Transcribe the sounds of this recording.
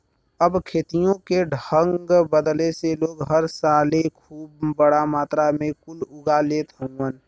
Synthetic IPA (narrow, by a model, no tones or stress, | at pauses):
əbkʰeːt̪ijõkeɖʱəŋɡbəd̪leseloːɡɦəɾsaːlekʰuːb̚ːəɽamaːt̪ɾamẽkʊlʊɡaleːt̪ɦõən